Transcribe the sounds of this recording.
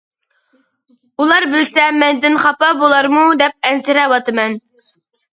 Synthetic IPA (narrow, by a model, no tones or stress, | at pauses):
ulˠɑɾbɪlsɛmɛnd̪ɪnχɑpɑbolˠɑɾmud̪ɛp̚ɛnzɪɾɛwɑt̪ɨmɛn